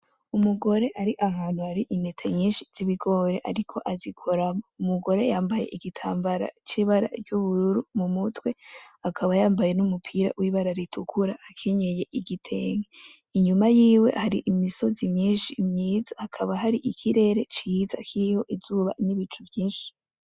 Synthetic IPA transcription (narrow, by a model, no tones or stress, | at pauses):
umuɡo̞ɾe̞ʔaɾiʔaɦaːn̥huhaɾiʔinetʰaɲɲiːnʃiz̥iβiɡo̞ɾe̞ʔaɾikʰo̞ʔazikʰo̞ɾamoumuɡo̞ɾe̞jaːmbaje̞̰ʔiɡitʰaːmbaɾa̰t͡ʃiβaɾa̰ɾɟuβuɾuɾumumutwe̞akʰaβajaːmbaje̞numupʰiɾa̰wʔiβaɾaɾitʰukʰuɾaːkʰeɲe̞je̞ʔiɡitʰe̞ːŋɡe | iɲumajiːwe̞̰haɾiʔimiso̞zimɲiːnʃimɲiːzahakʰaβaɦaɾiʔikʰiɾe̞ɾe̞t͡ʃiza̰kʰiɾiho̞ʔizuːβa̰niβit͡ʃuvjiːnʃi̥